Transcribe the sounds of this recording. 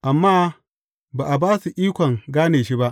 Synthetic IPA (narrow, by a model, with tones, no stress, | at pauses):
ʔa˨mːaː˦ | baː˨ʔa˨baː˦su˨ʔiː˦kʷɔ˨ŋɡaː˦neː˨ʃi˦ba˦ʔ